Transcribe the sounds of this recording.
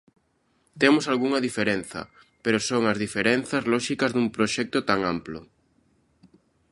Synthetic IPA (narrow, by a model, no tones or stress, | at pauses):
t̪emʊsalɣuŋɐðifeɾenθɐ̰ | peɾosoŋɐzðifeɾɛnθɐzlɔʃikɐzðumpɾoʃɛk̚t̪ʊt̪aŋamplʊ̰